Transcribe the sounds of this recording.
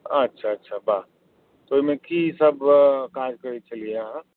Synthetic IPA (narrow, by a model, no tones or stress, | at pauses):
ətːʃʰaːtːʃʰabaː | t̪oimẽkʰisəbkaːd͡ʒkəɾit͡ʃəliaɦɛ̃